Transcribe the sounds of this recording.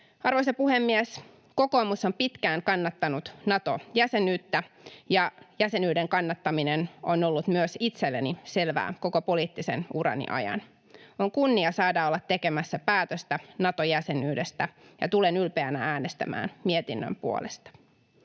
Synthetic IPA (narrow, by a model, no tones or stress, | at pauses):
ɑrʋoisɑpuhemːies | ko̞ko̞ːmusompit̪kæːŋkɑnːɑt̪ːɑnut̪nɑt̪o̞jæsenyːt̪ːæjɑjæse̞nyːdeŋkɑnːɑt̪ːɑminenono̞lːut̪myøsit̪selːenise̞lʋæ̰ːko̞kopo̞liːt̪ːisḛnuɾɑ̰nḭʔɑ̰jɑ̰n | oŋkunːiɑsɑːdɑːolːɑt̪ːe̞ke̞mæsːæpæːt̪øst̪ænɑt̪ojæse̞nyːdest̪æjɑt̪ule̞nylpeænææːnest̪æ̰mæ̰ːnmiet̪inːø̰mpuo̰lest̪ɑ̥